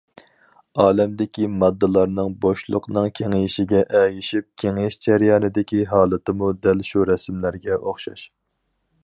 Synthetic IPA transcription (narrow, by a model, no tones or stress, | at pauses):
ɑːlɛmd̪ɪkʲimɑd̪ːɨlˠɑɾnɨŋboʃlˠʊqnɨŋkʲʰeŋiʃɪɡʲɛʔɛjiʃip̚kʲʰeŋɪʃd͡ʒɛɾjɑːnɨd̪ɪkʲiɦɑːlˠɨt̪ɨmud̪ælʃuɾɛsmlæɾɡʲɛʔoχʃɑ̰ʃ